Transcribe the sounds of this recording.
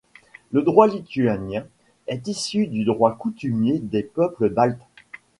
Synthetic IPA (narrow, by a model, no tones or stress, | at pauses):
ləd̪ʁwalit̪yanjɛ̃ | ɛt̪isyd̪yd̪ʁwakut̪ymjed̪epœpləd̪alt̪